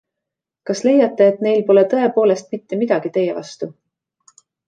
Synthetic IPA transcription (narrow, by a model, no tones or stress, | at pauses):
kɑsle̞jɑt̪ːe̞ːt̪ne̞jlpo̞le̞t̪ɤ̞e̞po̞ːle̞st̪̚mit̪ːe̞mid̪̥ɑɡ̥it̪e̞jḛvɑ̰st̪u